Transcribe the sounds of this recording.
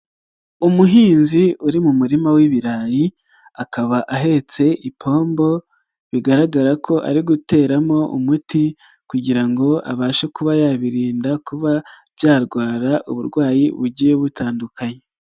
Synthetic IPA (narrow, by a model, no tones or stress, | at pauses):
umuɦiːnziuɾimumuɾimawiβiɾaːji | akaβaʔaɦe̞t͡se̞ʔipʰo̞ːmbo̞ | βiɡaɾaɡaɾakʰo̞ʔa̰ɾiɡute̞ːɾamo̞ʔṵmuti | kuɟiɾaŋɡo̞a̰βaːʃekuβajaβiɾiːndakuβavjaːɾɡwaːɾaʔuβuɾɡwaːjiβuɟijeβutaːndukʰaɲe